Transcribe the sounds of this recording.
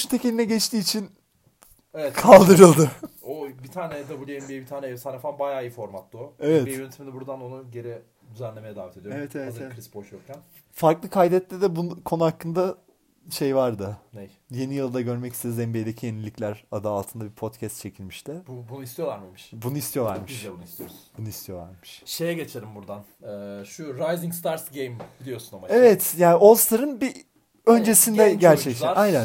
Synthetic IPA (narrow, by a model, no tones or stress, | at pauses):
ʃynt̪ʰecelʲinɛɟɛt͡ʃt̪iːt͡ʃʰin | evɛt̪kʰalˠd̪ɯɾɯlˠd̪ɯobit̪ʰaːnɛd̪abulʲiɛmbejbit̪ʰaːnɛɛvsʰaɾafanbajaːijifo̞ɾmat̪lˠuevɛtejønet̪iminibuɾd̪ano̞nuɟe̞ɾɪ | d̪yzænlʲe̞mejɛd̪aːvɛt̪e̞d̪joevɛtt̪evɛazevɛkʰɾisboʃjokcʰæn | faɾklˠɯkʰajd̪ɛt̪lʲɛd̪ɛbunkʰonuhakːɯnd̪a | ʃe̞jvaɾd̪ɯnej | je̞nijɯlˠd̪aɟø̞ɾmɛci̥st̪ʰezɛmbejd̪e̞cʰijenilʲːiclʲæɾad̪aːlˠt̪ʰɯnd̪abipʰo̞t̪cʰɛst̪̚t͡ʃʰe̞cʰilʲmiʃt̪ʰɪbubunuist̪ijolˠaɾmmiʃbunuist̪ʰijo̞lˠaɾmɯʃunist̪ʰijobunuist̪ʰijo̞lˠa̰ɾmɯʃʃejɛɟet͡ʃʰeɾimbuɾd̪an | ɛːʃuɾajziŋst̪ʰaɾsɟejmbilʲijosunomaevɛt̪jaːno̞lˠst̪ʰaɾɯnbi | ø̞nd͡ʒe̞sind̪ɛɟ̪æɾʰɛct̪æajnæn